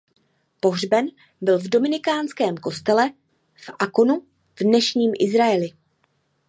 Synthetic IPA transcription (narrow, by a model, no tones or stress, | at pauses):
po̞ɦr̝bɛn | bɪlvdo̞mɪnɪkaːnskɛːmko̞st̪ɛlɛ | fʔakonu | vdnɛʃɲiːmʔɪzɾaɛlɪ